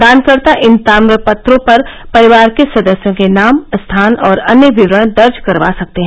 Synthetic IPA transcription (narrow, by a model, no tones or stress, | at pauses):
d̪aːnkəɾt̪aʔɪnt̪aːmɾəpɐt̪ɾõpɐɾ | pɐɾɪʋaːɾkesɐd̪əsjõkenaːmst̪ʰaːnɔːɾɐnjəʋɪʋɾəɽ̃d̪ɐɾd͡ʒkɐɾʋa̰ːsɐk̚t̪eɦɛ̃